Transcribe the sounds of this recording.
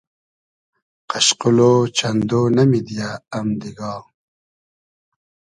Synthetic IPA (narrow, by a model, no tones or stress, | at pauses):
qaɕquloːt͡ɕɐnd̪oːnɐmid̪ijaːmd̪iɡɑː